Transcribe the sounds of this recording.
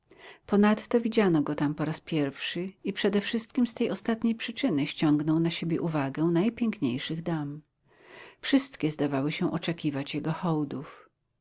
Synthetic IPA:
pɔnat̪ːɔvʲid͡ʑanɔɡɔt̪ampɔɾaspʲjɛɾfʂɘipʂɛd̪ɛfʂɘst̪̚kʲimst̪ɛjɔst̪at̪ɲejpʂɘt͡ʂɘnɘɕt͡ɕɔ̃ŋɡnɔwnaɕebʲjɛʔuvaɡɛ̃najpʲjɛŋkɲejʂɘɣd̪am | fʂɘst̪kʲɛzd̪avawɘɕɛ̃ʔɔt͡ʂɛkʲivat͡ɕjɛɡɔxɔwd̪uf

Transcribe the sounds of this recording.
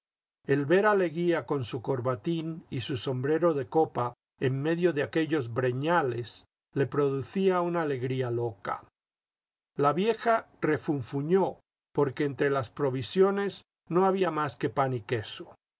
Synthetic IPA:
e̞lβe̞ɾaleɣiako̞nsuko̞ɾβat̪inisuso̞mbɾe̞ɾo̞ðe̞ko̞pa | emme̞ðjo̞ðeake̞ʝo̞zbɾe̞ɲale̞s | le̞pɾo̞ðuθiaunaːle̞ɣɾialo̞ka̰ | laβje̞xa | re̞fuɱfuɲo̞ | po̞ɾkeːnt̪ɾe̞laspɾo̞βisjo̞ne̞z | no̞aβiamaske̞panike̞so

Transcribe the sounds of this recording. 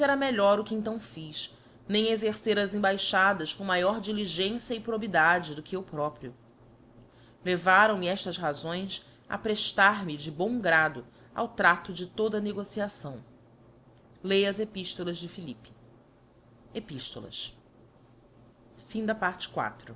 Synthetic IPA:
sɛɾɐmeʎɔɾʊkɪẽnt̪̬ɐ̃w̃fiʃ | nẽj̃ezeɾseɾɐzẽbajʃad̪ɐʃkõmajɔɾd͡ʒiliʒẽsjɐɪpɾobid̪ad͡ʒɪd̪ʊkɪewpɾɔpɾiʊ | levaɾɐ̃w̃mɛʃt̪ɐsɦazõj̃s | ɐ̰pɾeʃt̪aɾmɪd͡ʒɪbõw̃ɡɾad̪ʊ | a̰wt̪ɾat̪ʊd͡ʒɪt̪od̪ɐneɡosiasɐ̃w̃ | lejɐzepiʃt̪olˠɐzd͡ʒɪfilipɪ̥ | epiʃt̪o̰lˠɐ̰s | fĩd̪ɐpaɾt͡ʃɪ̥kwa̰t̪ɾʊ

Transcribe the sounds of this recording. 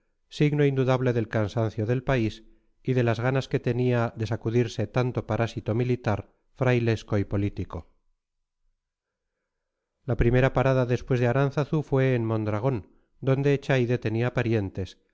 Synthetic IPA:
siɣno̞ind̪uðaβle̞ðe̞lkansan̟θjo̞ðe̞lpais | iðe̞lazɣanaske̞t̪e̞niaðe̞sakuðiɾse̞t̪ant̪o̞paɾʔasit̪o̞milit̪aɾ | fɾajle̞sko̞ipo̞lit̪iko̞ | lapɾime̞ɾapaɾaðaðe̞spwe̞zðeaɾan̟θaθufwe̞ːnmõ̞nd̪ɾaɣ̞o̞n | d̪o̞nd̪e̞t͡ʃajðe̞t̪e̞niapaɾje̞nt̪e̞s

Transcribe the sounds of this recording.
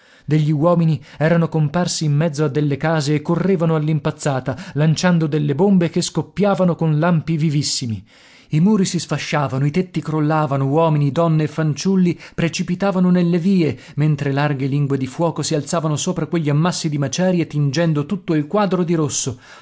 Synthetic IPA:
d̪eʎːiwɔːminiɛːɾanokomparsiːmːɛd̪zːoad̪ːelːekaːzeːkːorːeːvanoalːimpat̪sːaːt̪alant͡ʃand̪od̪elːebombekeskopːjaːvanokonlampivivisːimi | imuːɾisisfaʃːaːvanoit̪et̪ːikɾolːaːvanowɔːminid̪ɔnːeːfːant͡ʃulːipɾet͡ʃipit̪aːvanonelːeviːe | ment̪ɾelarɡeliŋɡwed̪ifwɔːkosialt̪saːvanosoːpɾakweʎːiamːasːid̪imat͡ʃɛːɾjet̪ind͡ʒɛnd̪ot̪ut̪ːoilkwaːd̪ɾod̪iɾosːo

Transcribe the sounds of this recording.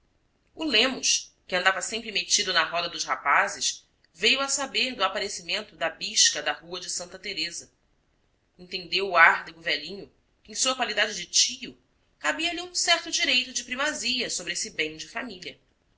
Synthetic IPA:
ulẽmʊʃkɪɐ̃nd̪avɐsẽmpɾɪmet͡ʃid̪ʊnɐɦɔd̪ɐd̪ʊʃhapazɪʃ | vejʊɐsabeɾd̪ʊapaɾesimẽnt̪ʊd̪ɐbiʃkɐd̪ɐhuɐd͡ʒɪsɐ̃nt̪ɐt̪eɾezɐ | ẽnt̪ẽnd̪ewːaɾd̪eɡʊvɛlĩɲʊ | kɪẽj̃suɐkwalid̪ad͡ʒɪd͡ʒɪt͡ʃijʊ | kabiɐliũsɛɾt̪ʊd͡ʒiɾejt̪ʊd͡ʒɪpɾimaziɐsobɾɪesɪbẽj̃d͡ʒɪfamiliɐ

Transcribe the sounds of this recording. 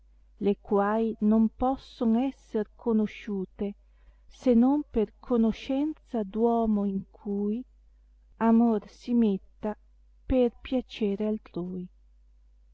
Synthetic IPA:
lekwaːjnompɔsːoŋɛsːerkʰonoʃuːt̪e | senomperkʰonoʃɛnt̪sad̪wɔːmoiŋkʰuːj | amorsimet̪ːa | perpjat͡ʃeːɾealt̪ɾuːj

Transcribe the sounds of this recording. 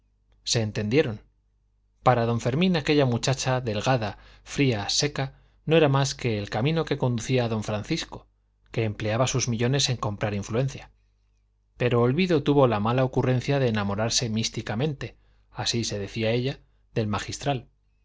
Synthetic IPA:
se̞ːnt̪e̞nd̪je̞ɾo̞n | paɾaðõ̞ɱfe̞ɾmĩnake̞ʎamut͡ʃat͡ʃaðe̞lɣaðafɾiase̞ka | no̞e̞ɾamaske̞ːlkamĩno̞ke̞ko̞nd̪uθiaːðo̞ɱfɾanθisko̞ | ke̞ːmple̞aβasuzmiʎo̞ne̞se̞ŋko̞mpɾaɾiɱflue̞nθja | pe̞ɾo̞ːlβiðo̞t̪uβo̞lamalaokurẽ̞n̟θjaðe̞ːnamo̞ɾaɾse̞mist̪ikamẽ̞nt̪e̞ | asise̞ðe̞θiae̞ʎa | ðe̞lmaxist̪ɾal

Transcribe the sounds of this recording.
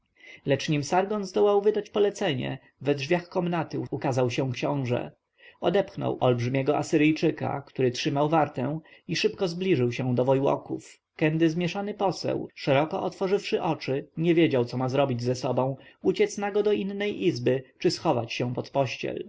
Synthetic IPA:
lɛt͡ʂɲimsaɾɡɔnzd̪ɔwawvɘd̪at͡ɕpɔlɛt̪sɛɲɛ̰ | vɛdʐvʲjaxkɔmnat̪ɘukazawɕɛ̃kɕɔ̃w̃ʐɛ̰ | ɔd̪ɛpxnɔ̰wʔɔlbʐɘmʲjɛɡɔʔasɘɾɘjt͡ʂɘka̰kt̪uɾɘtʂɘmawvaɾt̪ɛ̃w̃iʂɘpkɔzblʲiʐɘwɕɛ̃d̪ɔvɔjwɔ̰kuf | kɛnd̪ɘzmʲjɛʂanɘpɔsɛ̰wʂɛɾɔkɔʔɔt̪fɔʐɘfʂɘʔɔt͡ʂɘɲɛvʲjed͡ʑawt̪sɔmazɾɔbʲid͡ʑzɛsɔbɔ̃w̃ut͡ɕɛt̪snaɡɔd̪ɔinːɛjʔizbɘt͡ʂɘsxɔva̰t͡ɕɕɛ̃pɔt̪pɔɕt͡ɕɛ̰l

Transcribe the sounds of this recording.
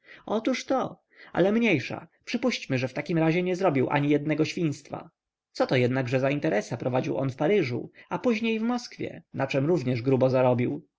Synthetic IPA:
ɔt̪uʂt̪ɔ | a̰lɛmɲejʂa̰pʂɘpuɕt͡ɕmɘʐɛft̪akʲimɾaʑɛɲɛzɾɔbʲiwʔa̰ɲijɛd̪nɛɡɔɕfʲĩj̃st̪fa̰ | t̪sɔt̪ɔjɛd̪naɡʐɛzaint̪ɛɾʔɛsapɾɔvad͡ʑḭwʔɔ̰nfpaɾɘʐṵapuʑɲejvmɔskfʲjɛ̰nat͡ʂɛmɾuvɲɛʐɡɾubɔzaɾɔbʲiw

